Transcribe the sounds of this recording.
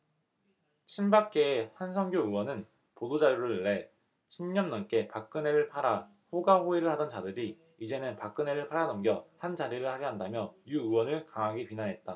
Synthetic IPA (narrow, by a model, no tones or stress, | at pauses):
t͡ɕʰimbak͈e̞ːhansʰʌŋɡjoɯwʌnɯn | podod͡ʑaɾjoɾɯɯɭːe̞ | ɕʰimɲʌnːʌnk͈e̞pak̚k͈ɯne̞ɾɯɭpʰaɾa | ɸoɡaɸoiɾɯɭhadʌnt͡ɕadɯɾi | id͡ʑenɯnpak͈ɯne̞ɾɯɭpʰaɾanʌmɡjʌhand͡ʑaɾiɾɯɭhaɡeɦandamjʌjuɯwʌnɯɭkaŋaɡipinanɦe̞t̚t͈a